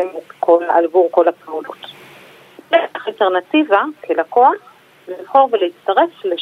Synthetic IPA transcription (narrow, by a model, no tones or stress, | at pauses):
emtkʰolaalvuʁko̞lapeulut | eaχalte̞ʁnativakʰelakoaχ | livχo̞ʁveleit͡staʁe̞fle